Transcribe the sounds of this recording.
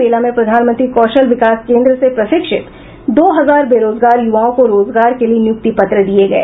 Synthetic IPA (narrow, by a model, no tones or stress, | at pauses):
eːlamẽpɾɐd̪ʱaːnmə̃nt̪ɾikɔːʃəlʋɪkaːskẽːnd̪ɾəsepɾɐʃɪkʃɪt̪ | d̪oːɦɐzaːɾbeːɾoːzɡaːɾjʊʋaːõkoɾoːzɡaːɾkelienjʊk̚t̪ipɐt̪ɾəd̪ieɡɐḛː